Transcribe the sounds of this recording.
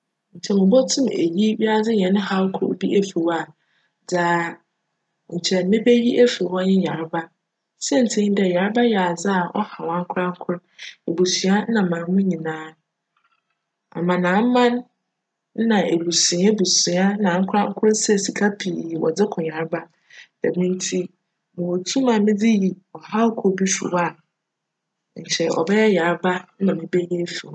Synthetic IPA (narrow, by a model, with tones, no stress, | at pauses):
ɲ̩˨t͡ɕʰɛ˨mʊ̃˨bɔ˦tʰʊ̃˦mḛ˨ji˦ɥi˦a˦d͡zɪ˦ɲ˨ɛ̃˨nʊ̃˦ha˦lkʰʊ̰˦˨bi˦ʔe˦fe˨wa˦˨ | d͡zaː˦ | ɲ̩˨t͡ɕʰɛ˨˦nɪ̃˦be˦ɥi˦ʔe˦fwɔ˦ɲɪ̃˦ɲa˨ɾba˦ | sɛ˦n̩˨tʰẽ˦dɛ˨ɲa˨ɾba˦jɛ˨a˨d͡zɪ˦a˨ɔ̰˦ha˨wã˨˦ŋ̩˦kʰʊ˦ɾã˦ŋ˦kʰʊ˦ɾe˨bu˨sɥa˦nã˨mãː˨˦mʊ̃˦ɲĩ˨nãː˦ | a̰˨mã˨nãː˨˦m̩˦mã˦n̩˦ | nã˨ʔe˨lu˨si˨˦ɛ˦bu˨si˨a˦nã˨ŋ̩˦kʰʊ˦ɾã˦ŋ̩˦kʰʊ˦ɾsɛ˦si˨kʰa˦pʰi˨wɔ̰˨d͡zɪ˦kʰɔ̃˨ɲa˨ɾba˦ | dɛ̰˨mĩ˦n˦tʰi˦ | mʊ̃˨wo˨tʰi˦mãː˨˦mɪ̃˦d͡zɪ˦ji˨ | ɔ˨ha˦kʰɔ˦bi˦ɕṵ˨wa˦˨ | ɲ̩˨t͡ɕʰɛ˨ʔɔ̰˨bɛ˦jɛ˦ja˨˦ɾba˦nã˨mɪ̃˨bɛ˦jɛ˦fĩ˨